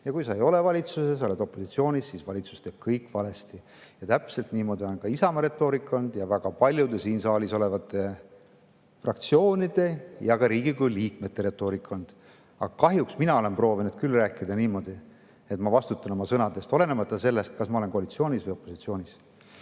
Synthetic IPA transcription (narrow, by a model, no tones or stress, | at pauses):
jɑkujsɑejo̞le̞vɑlʲit̪suses̬oled̪o̞pːˑo̞sit̪sio̞ːnisːiːsvɑ̰lʲit̪su̥st̪e̞ːb̥̚kʰɤjkːˑvɑle̞st̪i | jɑt̪æpselt̪niːmo̞d̪io̞nkɑisɑmɑɾe̞t̪ːˑo̞ːɾikːˑond̪̥jɑvæɡ̥ɑpɑlʲjud̪esiːnsɑːliso̞le̞vɑt̪ːˑe̞ | frɑk̚t̪sio̞ːnid̪̥e̞jɑɡ̥ɑɾiːɡikujliːkme̞t̪ːe̞ɾe̞t̪ːˑo̞ːɾikːˑond̪̥ | ɑ̰ɡɑkɑɦjuksminɑo̞le̞mpro̞ːvinud̪̥̚kylræːkːid̪̥ɑniːmo̞d̪̥i | e̞t̪mɑvɑst̪ut̪ːˑɑno̞mɑsɤnɑd̪e̞st̪o̞le̞nemɑt̪ːˑɑse̞lːest̪kɑsmɑole̞nkoɑlit̪sio̞ːnisvɤjo̞pːˑo̞sit̪sio̞ːnis